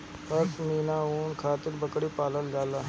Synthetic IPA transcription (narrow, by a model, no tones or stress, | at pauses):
pəɾsmiːnaːuːnkʰaːt̪ɪɾbəkɽiːpaːləld͡ʒaːlaː